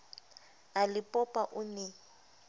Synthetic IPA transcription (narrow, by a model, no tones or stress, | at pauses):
alɪpʼɔpʼaʔʊnɛ